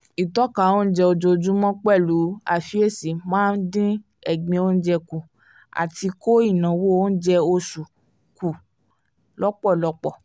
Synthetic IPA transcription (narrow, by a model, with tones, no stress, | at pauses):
i˨tɔ˦ka˨o˦n̩˦d͡ʒɛ˧o˧d͡ʒo˧d͡ʒũ˦mɔ̃˦k͡pɛ˦˨lu˨˦a̰˨fi˨˦e˦˨si˨˦mãː˦n̩˦dĩ˦ | ɛ˨ɡ͡bĩ˧˦o˦n̩˦d͡ʒɛ˧ku˨ | a̰˨ti˧ko˦i˦˨nã˨wo˦o˦n̩˦d͡ʒɛ˧o˧su˨ | ku˨ | lɔ˦k͡pɔ˦˨lɔ˨˦k͡pɔ˦˨